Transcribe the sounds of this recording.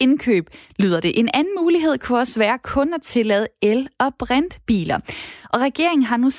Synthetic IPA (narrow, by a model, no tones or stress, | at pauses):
e̝nkʰø̰ːb̥lyːð̞ˠɐd̥e̝ʔe̝nænn̩muːliɦe̝ð̞̰ˠkʰuɒ̽sʋæːɐkʰɔ̽næt͡sʰe̝lɛð̞ˠelɒ̽b̥ʁan̰d̥b̥ḭːlɐʔɒ̽ʁɛɡ̥e̝ɐ̰e̝ŋn̩ɦɑ̈nus